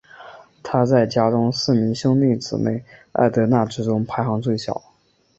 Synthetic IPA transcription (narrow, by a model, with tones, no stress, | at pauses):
t̪ʰa˥t͡sa˥˩ɪt͡ɕja˥ʈ͡ʂʊ˥ŋsɹ̩˥˩mi˧˥ŋɕɤ˥ŋt̪i˥˩ŋt͡sɹ̩˨˩mḛ˥˩ɪa̰˥˩ɪt̪ɤ˧˥na˥˩ʈ͡ʂɻ̩˥ʈ͡ʂʊ˥ŋpʰa˧˥ɪxɑ˧˥ŋt͡swe˥˩ɪɕjɑ̰˨˩˦